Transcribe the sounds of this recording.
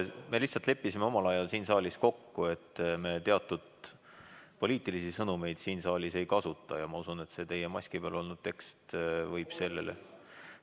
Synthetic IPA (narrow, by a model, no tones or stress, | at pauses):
me̞liht̪sɑlt̪le̞pːisime̞o̞mɑlɑjɑlsiːnsɑːlʲisko̞kːue̞t̪ːme̞t̪e̞ɑt̪ːˑud̪̥ | po̞lʲiːt̪ˑilisisɤnume̞jd̪̥siːnsɑːlʲise̞jkɑsut̪ˑːɑjɑmɑusune̞t̪se̞t̪e̞jemɑsʲkipeɑlo̞lnud̪̥̚t̪e̞kst̪vɤjb̥se̞lːḛlḛ